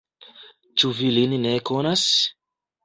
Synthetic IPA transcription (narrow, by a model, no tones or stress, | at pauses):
t͡ʃuvilinneko̞nas